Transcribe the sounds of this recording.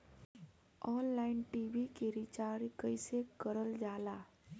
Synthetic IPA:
ɔːnlaːɪnʈiːʋikeɾit͡ʃaːɾkəɪsekəɾəld͡ʒaːlaː

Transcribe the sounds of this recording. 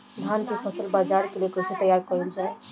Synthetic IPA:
d̪ʱant̪ʰipʰəsəlbad͡ʒaɾkeljekosit̪əjaɾkɔɾuld͡ʒae

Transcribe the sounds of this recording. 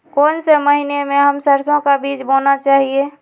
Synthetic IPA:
koːnseməɦinemẽɦəmsəɾsõkabiːd͡ʒboːnat͡ʃaːɦieː

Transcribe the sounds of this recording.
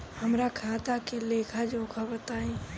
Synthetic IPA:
hɐmɾakʰaːt̪akeleːkʰad͡ʒoːkʰabət̪aːẽ

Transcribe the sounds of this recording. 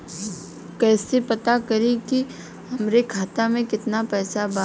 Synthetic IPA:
kɛːsepɐt̪akɐɾẽki | ɦɐmɾekʰaːt̪amẽkɪt̪napɛːsaba

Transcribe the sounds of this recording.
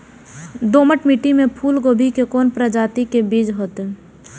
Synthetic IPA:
d̪oːməʈmiʈimẽpʰuːlɡoːbʱikekoːnpɾəd͡ʒaːt̪ikebiːd͡ʒɦoːt̪e

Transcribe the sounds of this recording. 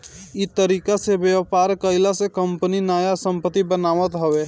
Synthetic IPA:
ɪt̪əɾiːkasebjəʋpaːɾkəɪlasekə̃mpəninaːjasə̃mpət̪ːibənaːʋət̪ɦəʋeː

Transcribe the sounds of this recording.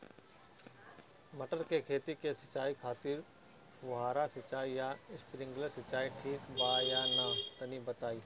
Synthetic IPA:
mɐʈəɾkekʰeːt̪ikesɐt͡ʃaːikʰaːt̪ɪɾ | ʋʊɦaːɾasɐt͡ʃaːijaɪspɾɪ̃ŋɡləɾsɐt͡ʃaːiʈʰiːkbaːjanat̪ɐnibɐt̪aːiː

